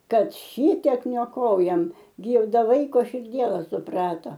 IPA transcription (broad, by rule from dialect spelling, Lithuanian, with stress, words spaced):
ˈkɐt ˈʃʲɪtʲɛk nʲoːˈkoːjɛm ˈɡʲɪ ɪ ˈdɐ ˈʋɐɪkoː ʃʲɪrʲˈdʲiɛlˠɐ sʊˈprɑːtɐ